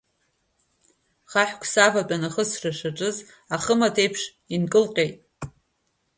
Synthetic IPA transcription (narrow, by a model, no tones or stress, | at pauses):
χaħʷᶣkʷʰsavat͡pʼanaχəsraʂaʈ͡ʂʼɨz | aχəmatʰe̞jpʰʂ | inkʼɨlqʲʼejtʼ